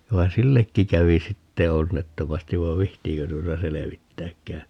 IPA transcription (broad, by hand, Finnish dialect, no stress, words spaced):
ʋɑi silːekːi kæʋi sitːe onːetːomɑstiʋ ʋɑʋ̆ ʋihtiːkø tuotɑ seleʋitːæːkːæː